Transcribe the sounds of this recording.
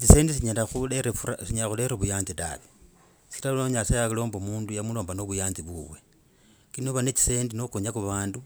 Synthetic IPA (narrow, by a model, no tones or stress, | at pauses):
t͡ʃise̞ːndis̬iɲalaxueɾefasiɲalaxuleɾoβujaːnzita̰βe | si̥ilaloɲasajakilo̞ːmbomuːndujamuloːmbano̞βujaːnt͡siβuβwe̞ | kinoβanet͡ʃi̥se̞ːndinokuɲakuβaːndu